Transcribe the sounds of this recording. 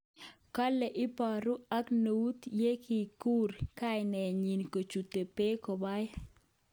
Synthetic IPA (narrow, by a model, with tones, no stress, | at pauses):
ka˦lɛ˨ʔɪ˦pa˨ɾu˦a˦kno˨u˦t̪je˦ki˨ku˦ɾka˦ɪ˨nɛ˨ɲi˨nko˨t͡ʃu˨te˨pe˦kɔ˨ba˦j